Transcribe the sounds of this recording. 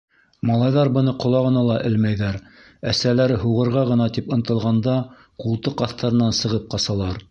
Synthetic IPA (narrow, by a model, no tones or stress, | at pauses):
mɑlˠɑjðɑɾbɤ̆nɤqŏlˠɑʁɤ̆nɑlˠɑʔɘlmæjðæɾ | æsælæɾɘɦuʁɤ̆ɾʁɑʁɤ̆nɑt̪ipɤ̆nt̪ɤ̆lˠʁɑnd̪ɑ | qulˠt̪ɤqɑθt̪ɑɾɤ̆nːɑnsɤ̆ʁɤp̚qɑsɑlˠɑɾ